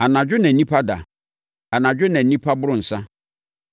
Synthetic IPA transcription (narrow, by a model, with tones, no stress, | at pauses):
a˨nã˨d͡ʑᶣʊ˦nã˨˦nĩ˦pʰa˦da̰˨ | a˨nã˨d͡ʑᶣʊ˦nɛ̃˨n̩˦nĩ˦pʰa˦bʊ˦ɾʊ̃˦n̩˨sã˦